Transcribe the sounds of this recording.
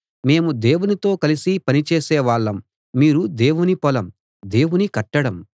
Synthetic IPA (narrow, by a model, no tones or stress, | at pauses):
me̞ːmud̪eːwunit̪o̞ːkɐlisipɐnit͡ʃeːsɛːʋaːɭːɐmː | iːɾud̪e̞ːwunipɔlɐm | d̪e̞ːwunikɐʈːɐɽɐm